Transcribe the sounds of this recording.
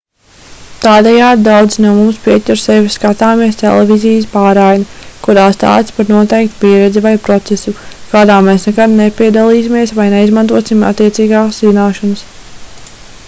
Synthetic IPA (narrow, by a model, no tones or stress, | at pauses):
t̪aːd̪ɛjaːd̪d̪awd̪znuɔmumspiɛtt̪ʲuɾsɛvisːkat̪aːmiɛst̪ɛ̰lˠɛvizijspaːɾajnakuɾaːst̪a̰ːt̪spaɾnuɔt̪ɛjk̚t̪piɛɾɛd̪zivajpɾɔt̪sɛsukaːd̪aːmeːsnɛkad̪nepʲiɛd̪alˠiːsimiɛsvajneizmant̪uɔsima̰t̪ːiɛt̪siːɡaːkszinaːʃɔnəs